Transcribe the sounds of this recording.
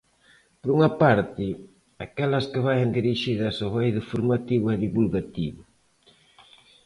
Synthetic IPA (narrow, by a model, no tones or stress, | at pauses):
poɾuŋɐpaɾt̪ɪ | akɛlɐskɪβajend̪iɾiʃiðɐsoβɛjðʊfoɾmat̪iβʊɛðiβulɣat̪iβʊ